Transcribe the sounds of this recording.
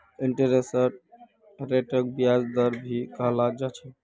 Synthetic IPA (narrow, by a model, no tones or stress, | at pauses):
iɳʈeɾesəɾ | ɾeʈək̚bijad͡ʒd̪əɾbʱikəɦlad͡ʒat͡ʃʰɛ